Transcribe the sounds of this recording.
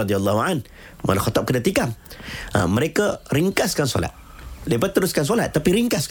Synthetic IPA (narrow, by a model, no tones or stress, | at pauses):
ɔd̪ialːɔhuan | ma̰laxɔt̪ɔp̚kədat̪ikama̰məɾekəɾiŋkaskansɔ̰la̰t̪̚ | debat̪ːəɾuskans̬ɔlat̪̚ːapiɾiŋkask